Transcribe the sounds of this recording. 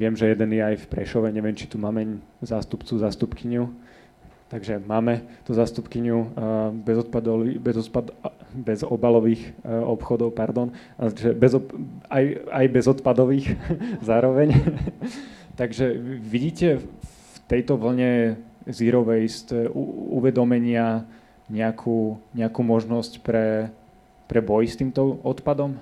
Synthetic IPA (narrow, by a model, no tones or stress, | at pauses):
ʋɪɛmʒɛjɛd̪ɛnjɛajfpɾɛʃɔʋɛɲɛʋɪɛmt͡ʃi̥t̪umaːmɛɲzaːst̪upt͡suzaːst̪upkiɲu | t̪aɡʒɛmaːmɛt̪uzaːst̪upkiɲubɛzɔt̪̚pad̪ɔibɛzɔt̪pad̪bɛzɔbalɔʋiːxɔpxɔd̪ɔʊpaɾd̪ɔn | aʒɛbɛzɔajajbɛzɔt̪pad̪ɔʋiːxzaːɾɔʋɛɲ | t̪aɡʒɛʋiɟiːcɛ | ft̪ɛjt̪ɔʋl̩ɲɛziɾɔʋɛjst̪ɛṵṵʋɛd̪ɔmɛɲɪa | ɲɛakʰuːɲɛakuːmɔʒnɔscpɾɛ | pɾɛbɔjst̪iːmt̪ɔɔt̪pad̪ɔm